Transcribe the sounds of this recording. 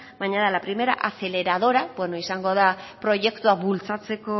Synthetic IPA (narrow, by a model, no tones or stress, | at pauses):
bajɲaðalapɾime̞ɾa̰ʔaθe̞le̞ɾað̞o̞ɾabwe̞noisaŋɡo̞ð̞apɾo̞ʝe̞kt̪uaβult͡sat͡se̞ko̞